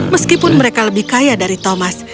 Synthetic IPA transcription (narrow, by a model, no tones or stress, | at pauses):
məskipʊnməɾekaləbɪhkajadaɾit̪omas